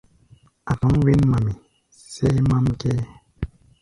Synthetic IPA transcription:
a˨tɔ˨˦ŋwi˦nma˨mi˨ | se˦ma˦mkɛ˦

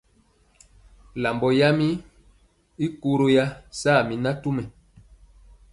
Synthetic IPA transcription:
la˨mbɔ˨ja˦mi˦ | i˦ku˦ɾo˦ja˦saː˦˨mi˨na˦tu˦mɛ˨

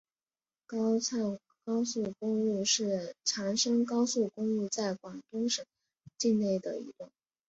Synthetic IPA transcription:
kɑ˥ʊt͡sʰa˥˩ŋ | kɑ˥ʊsu˥˩kʊ˥ŋu˥˧ʂɻ̩˥˩ʈ͡ʂʰa˧˥ŋʂɤ˥ŋkɑ˥ʊsu˥˩kʊ˥ŋu˥˧t͡sa˥˩ɪkwa˨˩nt̪ʊ˥ŋʂɤ˨˩˦ŋ | t͡ɕi˥˧nne˥˩ɪd̪ə̰˩ḭ˧˥t̪wa˥˩n

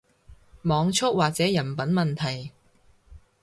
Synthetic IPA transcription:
mɔː˨˧ŋt͡ʃʰʊ˥k̚waː˨k̚t͡sɛː˨˥jɐ˨˩npɐ˨˥nmɐ˨nt̪ʰɐ˨˩j

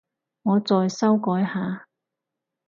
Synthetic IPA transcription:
ŋɔː˨˧t͡sɔː˨˧jsɐ˥wkɔː˨˥jhaː˨˧

